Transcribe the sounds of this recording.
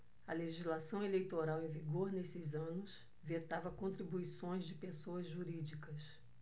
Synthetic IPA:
ɐleʒizlasɐ̃w̃elejt̪oɾawẽviɡoɾnesɪzɐ̃nʊs | vet̪avɐkõnt̪ɾibuisõj̃zd͡ʒɪpesoɐzʒuɾid͡ʒikɐs

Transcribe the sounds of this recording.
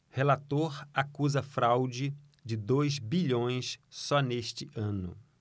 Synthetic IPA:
helat̪oɾakuzɐfɾawd͡ʒɪ | d͡ʒɪd̪ojzbiʎõj̃ssɔneʃt͡ʃɪʔɐ̃nʊ̰

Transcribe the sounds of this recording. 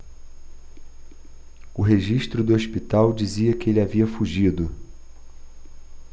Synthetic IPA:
ʊɦeʒiʃt̪ɾʊd̪ʊospit̪awd͡ʒiziɐkɪelɪaviɐfuʒid̪ʊ

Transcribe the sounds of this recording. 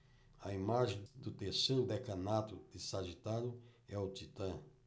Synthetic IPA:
ɐimaʒẽj̃d̪ʊt̪eɾseɾʊd̪ekɐ̃nat̪ʊd̪ɪsaʒit̪aɾʊɛʊt̪it̪ɐ̃

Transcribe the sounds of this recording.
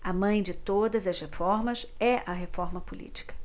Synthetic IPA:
ɐmɐ̃j̃d͡ʒɪt̪od̪ɐzɐshefɔɾmɐsɛʔɐɦefɔɾmɐpulḭt͡ʃi̥kɐ̥

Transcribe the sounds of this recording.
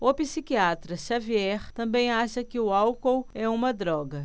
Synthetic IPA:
opisikiat̪ɾɐʃaviɛχt̪ɐ̃mbẽj̃aʃɐkɪʊawkowɛũmɐd̪ɾɔɡɐ

